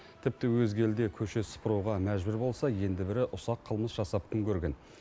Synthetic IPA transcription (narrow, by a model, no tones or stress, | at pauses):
t̪ʰɪp̚t̪ɪwɵzɡʲe̞ld̪e̞kʲʰɵʃe̞sə̥pʰəɾuwʁɑmæʒbʏɾbo̞lˠsɑje̞nd̪ɪbɪɾɪʔʊsɑqʰːəlˠməsʒ̥ɑsɑp̚kʲʰʏŋkʲʰɵɾɡʲe̞n